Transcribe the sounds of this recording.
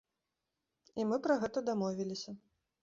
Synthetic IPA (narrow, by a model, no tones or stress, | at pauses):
imɨpɾɐɣɛt̪ɐd̪amɔvʲilʲisʲɐ